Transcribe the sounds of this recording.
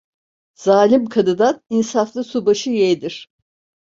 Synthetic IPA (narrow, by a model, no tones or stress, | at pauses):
z̥aːlʲimkʰad̪ɯd̪aninsaflˠɯsubaʃɯjejd̪iɾ̥